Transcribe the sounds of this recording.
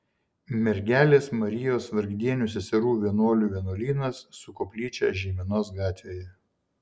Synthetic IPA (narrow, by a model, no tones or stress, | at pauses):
mʲɛɾʲɡʲæːlʲeːsmɐɾʲɪjoːsʋɐɾʲɡʲd̪ʲiɛnʲuːˑs̬ʲɛsʲɛɾuːʋʲiɛnoɔlʲʊʋʲiɛnoɔlʲiːnɐsːʊkoːpʲlʲiːt͡ʃʲɛ̰ːʒʲiɛmʲɪnoːs̬ɡɑːt̪ʲʋʲeːjɛ